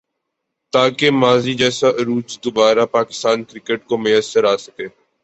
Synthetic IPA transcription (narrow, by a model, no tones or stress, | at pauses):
t̪aːkemaːzid͡ʒɛːsaʔɾuːd͡ʒd̪ʊbaːɾapaːkɪ̥st̪aːnkɾɪkəʈ̚komʊjəsːəɾaːsə̥keː